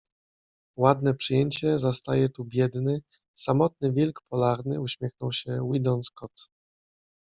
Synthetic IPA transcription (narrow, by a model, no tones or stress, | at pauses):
wad̪nɛpʂɘjɛɲt͡ɕɛzast̪ajɛt̪ubʲjɛd̪nɘ | samɔt̪̚nɘvʲɛlkpɔlaɾnɘuɕmʲjɛxnɔwɕɛwid̪ɔnskɔt̪